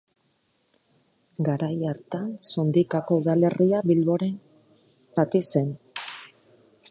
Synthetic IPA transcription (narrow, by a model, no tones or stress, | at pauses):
ɡaɾajaɾt̪aso̞nd̪ikako̞uðale̞riaβilβo̞ɾe̞n | sat̪ise̞n